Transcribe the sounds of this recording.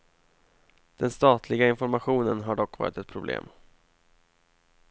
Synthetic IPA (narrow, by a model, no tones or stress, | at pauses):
d̪̥ɛnst̪ɑːt̪ʰlɪɡaɪnfɔɾmaɧuːnənɦaɖɔkːvɑ̰ːɾɪt̪ɛt̪̚pʰɾʊblḛːm